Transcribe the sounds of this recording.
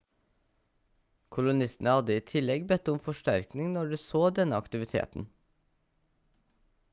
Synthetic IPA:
kʰʊlʊnɪst̪n̩əhɑd̪əiːt̪ʰɪlɛɡbɛt̪ʊmfɔʃʈæɾknɪŋnɔɖʉːsoːd̪ɛnəɑkt̪ɪʋɪt̪ʰḛːt̪n̩

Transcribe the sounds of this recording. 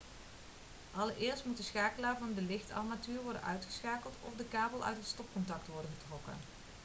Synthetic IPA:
ʔɑləɹɪːɹstmutdəsχaːkəlaːɹvɑndəlɪχtɑ̰matyːɹʋɔɹdə̰nœɥtχə̥sχaːkəlˠtɔ̰fdəkaːbəlˠʔœ̰ɥtɦətstɔp̚kɔntɑktʋɔɹdəχətrɔkə̰n

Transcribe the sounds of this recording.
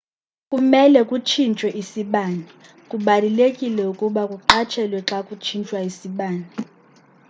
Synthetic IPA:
kʼumɛlɛkʼut͡ʃʰint͡ʃʼwɛʔisiɓaːni | kʼuɓalilekʼilɛukʼuɓakʼuǃat͡ʃʰɛlwɛǁakʼut͡ʃʰint͡ʃʼwaisiɓaːni

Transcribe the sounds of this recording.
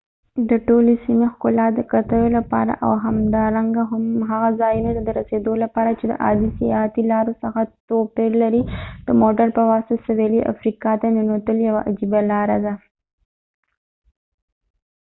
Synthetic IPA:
d̪əʈolesimexkʊlɑd̪əkat̪əlolapɑ̰ɾa̰ʔa̰wɦamd̪ɑɾaŋɡaɦʊmɦaɣazɑjunat̪ad̪əɾased̪olapɑɾat͡ʃed̪ə̰ʔɑ̰d̪isijɑhat̪ilɑɾosəxat̪opeɾlaɾid̪̥əmoʈaɾpəwɑst̪asaweliʔa̰fɾikɑt̪ananot̪əljawaʔad͡ʒibalɑɾad̪a

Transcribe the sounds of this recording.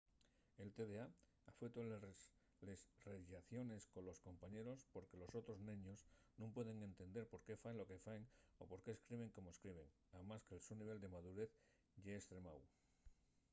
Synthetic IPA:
e̞lt̪eðea | afet̪o | lesreʎaθjo̞ne̞sko̞lo̞sko̞mpaɲe̞ɾo̞spo̞ɾke̞lo̞so̞t̪ɾo̞znẽɲo̞snũmpwe̞ðe̞ŋẽ̞nt̪e̞nd̪eɾpo̞ɾke̞faenlo̞ke̞faeŋo̰po̞ɾke̞ːskɾiβ̞e̞ŋko̞moeskɾiβ̞e̞ŋ | amaskelsuniβ̞e̞ld̪e̞mað̞uɾe̞θ | ʝeːst̪ɾe̞maw

